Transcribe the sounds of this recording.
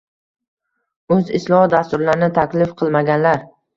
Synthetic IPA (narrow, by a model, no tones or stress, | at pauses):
ɵzɪslˠɒhɒd̪ast̪ʊɾlaɾɪnɪt̪ʰakʲlɪfqʰɨlˠmaɡʲanlaɾ